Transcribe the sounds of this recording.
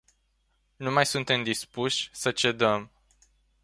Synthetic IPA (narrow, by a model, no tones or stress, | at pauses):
numajsunt̪e̞md̪ispuʃʲsət͡ʃe̞d̪əm